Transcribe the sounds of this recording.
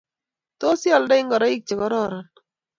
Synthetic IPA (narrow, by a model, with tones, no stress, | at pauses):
t̪o˦sjɔ˦˨ldɛ˦ɪ˦ŋɡɔ˨ɾɔ˦ɪ˦k̚t͡ʃe˨kɔ˨˦ɾɔ˦˨ɾɔ˨n